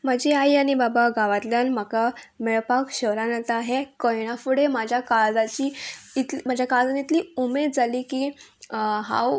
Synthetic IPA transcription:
mad͡ʑiajaɽ̃ibabaɡaʋat̪ljanm̤aka | mɛɭpakɕəɾanat̪ːɦekəjɽ̃afuɽemad͡ʑʱjakaɭd͡zat͡ɕiːt̪lmad͡ʑʱjakaɭd͡zanit̪liːumed̪̚d͡zʱaliːkiː | ɦã̰w

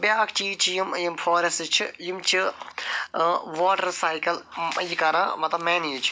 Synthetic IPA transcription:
bʲjaːkʰt͡ʃiːt͡ʃʰijimjimfʰoːɾɐstt͡ʃʰijimt͡ʃʰi | ʋoːʈɐɾsaːjkɐlɐjikɐɾãːmɐt̪ɐmeːniːt͡ʃʰ

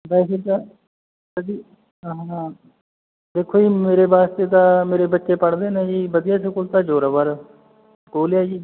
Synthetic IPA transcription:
bɛːseːt̪a | təd̪iː | ɦ | d̪eːkʰoːiːmeːɾebaːst̪eːt̪̬ãːmeːɾeːbətːʃeːpəɽd̪eːnẽːd͡ʒiːbəd̪ɪjaːsʊkʊlt̪aːd͡ʒoːɾaʋəɾ | koːljaːd͡ʒiː

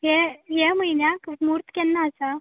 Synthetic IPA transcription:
ɦeɦeməjnjakmuɾt̪kɛnːaːsa

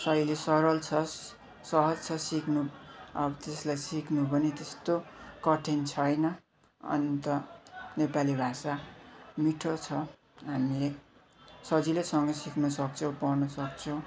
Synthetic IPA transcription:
sʌjlesʌɾʌlt͡sʰʌs | sʌɦʌd͡zt͡sʰʌsikʰnuʌbʌt̪eslajsiknubʱʌnet̪est̪okʌʈʰent͡sʰʌjnʌ | ʌ̰nit̪ʌnepalibʱasamiʈʰot͡sʰʌ | ɦamile | sʌd͡zilesʌŋɡʌsikʰnʌsʌk̚t͡sʰʌw̃pʌrnʌsʌk̚t͡sʰʌw̃

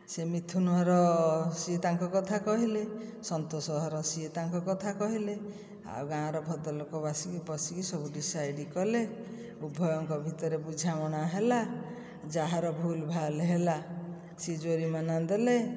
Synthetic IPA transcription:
semit̪ʰunuɦɔɾɔsiet̪aŋkɔkɔt̪ʰakɔɦilesɔnt̪osɔɦɔɾɔsiet̪aŋkɔkɔt̪ʰakɔɦile | a̰wɡãɔɾɔbʱɔd̪ɔlɔkɔbasikipɔsikisɔbuɖisajɖikɔle | ubʱɔjɔŋkɔbʱit̪ɔɾebud͡ʒʱamɔɽ̃aɦela | d͡ʒaɦaɾɔbʱulbʱaleɦela | sid͡ʒoɾimanand̪ele

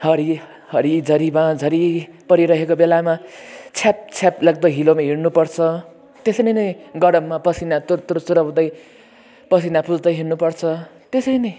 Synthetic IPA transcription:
hʌɾi | hʌɾid͡zʱʌɾibad͡zʱʌɾipʌɾiɾʌɦekobelamat͡sʰap̚t͡sʰaplʌɡ̚t̪ʌɦilomaɦirnupʌrt͡sʰʌ | t̪esʌnʌjnʌjɡʌɾʌmːapʌsinat̪ut̪uɾsuɾʌbd̪ʌj | pʌs̬inapud͡zd̪ʌjɦirnupʌrt͡sʰʌt̪esʌjnʌj

